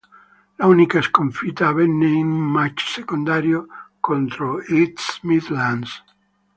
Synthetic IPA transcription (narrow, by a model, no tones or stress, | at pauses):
launikaeskoɱfit̪aβɛnːeinumːat͡ʃsekond̪aɾjokont̪ɾoit̪smid̪lans